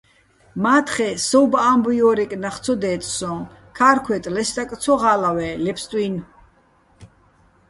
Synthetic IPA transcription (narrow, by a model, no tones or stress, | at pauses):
maːt̪ʰχɛsɔwbaambujɔːɾɛkʼnaχt̪t͡s̪ʰɔd̪ɛːt̪ʼsɔ̃ | kʰaːɾkʰwɛt̪ʼlɛst̪akʼt̪t͡sʰɔʁaːlawɛlɛpʰst̪ʼwin